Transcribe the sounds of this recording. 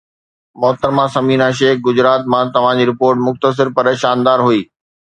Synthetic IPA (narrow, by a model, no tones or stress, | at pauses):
mɔːt̪əɾmãsɐmiːnaʃ̬eːkɡʊd͡ʑɾaːt̪mãt̪ɐʋ̤ãd͡ʑiːɾɪpoːɾʈmʊxt̪əs̬ɪɾpɐɾeːʃaːnd̪aːɾɦuiː